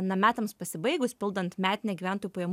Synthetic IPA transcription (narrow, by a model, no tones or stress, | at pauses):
nɐmʲæːt̪ɐmspɐsʲɪbɐɪɡʊspʲɪlˠd̪ɐnt̪mʲæːt̪ʲɪnʲɛːɡʲiʋʲæːˑnt̪oːjupɐjɛm